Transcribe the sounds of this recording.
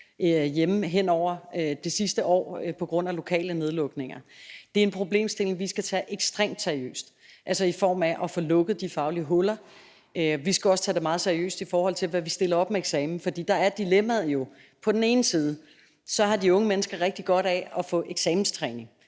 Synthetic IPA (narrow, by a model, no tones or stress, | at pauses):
jeməɦen̰ɒʊ̰ɐd̥e̝sisd̥əʔɒ̰ːpʰɒ̽ɡ̥ʁɔ̽n̰ælo̝kʰɛ̰ːləne̝ð̞ˠlɔ̽ɡ̥ne̝ŋɐd̥e̝e̝npʰʁo̝ble̝̰ːmsd̥e̝le̝ŋʋisɡ̥æt͡sʰɛʔeɡ̥sd̥ʁḛːmd̥seɐiø̰ːsd̥ | ʔælsɒifɒ̰ːmæʔɒfɔ̽lɔ̽ɡ̥əð̩ˠd̥ifɑ̈ʊliəɦɔlɐ | øʋisɡ̥æɒ̽sə̥t͡sʰɛːd̥e̝mɑ̈ːð̞̩ˠseɐiø̰ːsd̥ifɒːhɒ̽l̰t͡sʰe̝lʋæʋisd̥e̝lɐɒ̽b̥meeɡ̥sɛːmn̩fɒ̽d̥ḭːd̥ɑ̈æɐd̥ilemæðˠjo̝ | pʰɒ̽d̥ene̝ːn̩siːð̞ˠə | sɒ̽ɦɑ̈d̥iɔ̽ŋəmenəsɡ̥ɐʁɛɡ̥d̥iɡ̥ɒ̽ɾ̥æɒ̽fɔ̰̽ʔeɡ̥sɛːmn̩st͡sʰʁɛːne̝ŋ